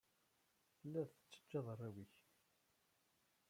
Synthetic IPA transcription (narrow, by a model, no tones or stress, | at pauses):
θəlːæðθə̥t͡sːə̥d͡ʒːɑðˤərˤːæwiç